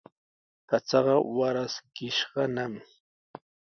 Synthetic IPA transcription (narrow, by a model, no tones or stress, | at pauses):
pat͡sɑɢɑwaɾaskɪʃɢɑnam